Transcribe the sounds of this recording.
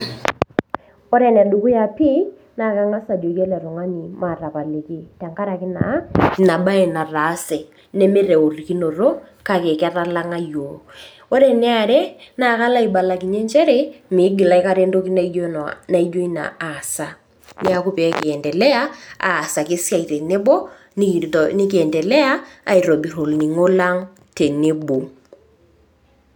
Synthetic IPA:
o˦ɾɛ˨nɛ˨ɗu˨ku˦ja˨pi˦ | na˦˨ka˦ŋa˦sa˨djo˨kjɛ˦lɛ˨ɾɔ˨ŋa˦ɲi˨ma˨ra˨pa˨le˨ki˦ta˨ŋka˦ɾa˨kɪ˦na̰˨˦ki˨na˨ɓa˦e˨na˨ra˨˦sɛ˨ | nɛ˦me˦ɾɛ˨o˨ri˨ki˦no˨ro˦ka˦˨ke˨kɛ˦ra˦la˦ŋa˦jo˨ | o˦ɾɛ˨nɛ˦a˨ɾɛ˦na˦˨ka˦la˦i˨ɓa˨la˨ki˨ɲe˦nt͡ʃɛ˦ɾe˦mɪ˨˦ɡɪ˨la˦ɪ˦ka˦ɾe˦ndo˦ki˦na˦o˦˨na˦i˦d͡ʒo˦i˦na̰˨a˨sa˦ | nɪ˦a˦kʊ˦pɛ˨˦kɪ˨ɛ˨ndɛ˨lɛ˦a˦a̰ː˨sa˨kɪ˦sja˦˨i˨te˨ne˦bo˦ | ni˦nɪ˦kɛ˨ndɛ˨lɛ˦a˦a̰˨i˨ɾo˨bi˨ɾo˨lni˨ŋo˦la˦ŋ | te˨ne˦bo˨

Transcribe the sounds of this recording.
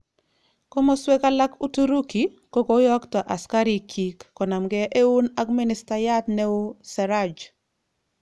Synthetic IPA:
ko˦mo˦swe˦ka˦la˦ku˦tu˦ɾu˦ki˨ | ko˦ko˨˦jɔ˦ktɔ˨ʔa˨ska˦ɾi˨kʰi˨kːɔ˨na˨mɡɛ˦ʔe˦u˦na˦ɡmɪ˦nɪ˨sta˨ja˦tnɛ˦o˦sɛ˨ɾa˦d͡ʒ

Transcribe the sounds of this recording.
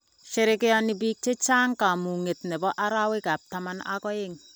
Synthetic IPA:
ʃe˦ɾɪ˦kɪ˦jɔ˦nɪ˨biː˦k̚t͡ʃe˦t͡ʃaː˦ŋka˨mu˨ŋe˨tnɛ˨bɔ˦ʔa˦ɾa˦wɪ˦ka˨p̚tama˦na̰˦kɔ˦ɪ˦ŋ

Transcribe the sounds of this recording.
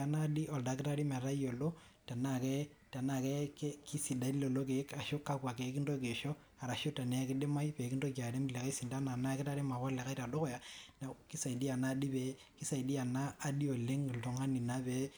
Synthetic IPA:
a˨na˦di˦ʔɔ˨lda˨˦kɪ˦ta˦ɾi˦mɛ˨ɾa˦jo˨lo˦ | ta˨na˦˨kɛ˦ | ta˨na˦˨kɛ˦kki˦si˨da˦i˦lo˨lo˦k̬e˨˦ka˨ʃo˦ka˦kwa˨ke˨˦ki˦ndo˦ke˨ʃɔ˦ | a˨ɾa˨ʃo˦ta˨nɛ˨˦kɪ˦ɗe˦ma˦jpɛ˨kindo˦ka˨de˦m˨lɛ˨ka˦i˦si˨nda˦na˨na˦kɪ˦ta˦ɾi˦ma˨wa˦lɛ˨ka˦ɾa˨do˦kɔ˦ja˨na˨ki˦sa˨i˨di˦a˨naː˦di˦pɛ˨˦ | ki˦sa˨i˨di˦a˨naː˦di˦o˨le˦ŋ˨lto˨ŋa˦ni˨na˦bɛ˦

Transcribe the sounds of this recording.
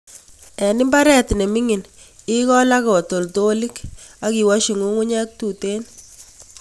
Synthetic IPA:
ɛ˨ni˦mba˦ɾɛ˦tne˨mi˦ŋi˨n | ɪ˦kɔ˦la˦kɔ˨to˨lto˦li˦ka˦ki˨wa˦ʃi˨ŋu˦ŋu˦ɲɛ˦k̚tu˨te˦n

